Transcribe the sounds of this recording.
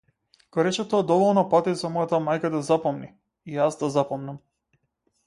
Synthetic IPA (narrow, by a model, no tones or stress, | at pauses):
ɡ̥ɔɾɛt͡ʃɛt̪ɔad̪ɔvɔlˠnɔpat̪izamɔjat̪amajkad̪azapɔmni | ijazd̪azapɔmnam